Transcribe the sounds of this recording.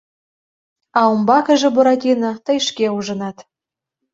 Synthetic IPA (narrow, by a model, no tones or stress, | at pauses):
ɑumbɑkə̆ʒĕboɾɑt̪ʲinɤ̆t̪ə̆jʃkeuʒə̆nɑt̪